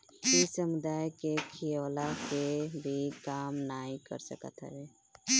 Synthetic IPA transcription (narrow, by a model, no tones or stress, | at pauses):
isəmud̪aːjkekʰijəwlakebʱikaːmnaːikə̰ɾsəkə̰t̪ɦɛ̰ɦɛ